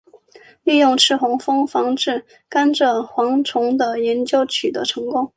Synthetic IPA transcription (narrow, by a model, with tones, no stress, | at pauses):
li˥˧jʊ˥˧ŋʈ͡ʂʰɻ̩˥˩xʊ˧˥ŋfɤ˥ŋfɑ˥ŋʈ͡ʂɻ̩˥˩ | ka˥nʈ͡ʂə˨xwɑ˧˥ŋʈ͡ʂʰʊ˧˥ŋd̪ə˧jɛ˧˥nt͡ɕjo˥ʊt͡ɕʰy˨˩d̪ə̰˦ʈ͡ʂʰɤ˧˥ŋkʊ˥ŋ